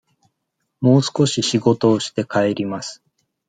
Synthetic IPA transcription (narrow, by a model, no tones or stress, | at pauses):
mo̞ːsɨ̥ko̞ɕiɕiɡo̞t̪o̞ːɕi̥t̪e̞kae̞ɾʲimasɨ̥